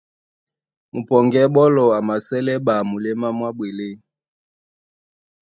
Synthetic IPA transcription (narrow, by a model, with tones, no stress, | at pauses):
mu˨pɔ˨ŋɡɛ˦ɓɔ˦lɔ˨a˨ma˨sɛ˦lɛ˦ɓa˨mu˨lɛ˦ma˦mwa˦bwe˨le˦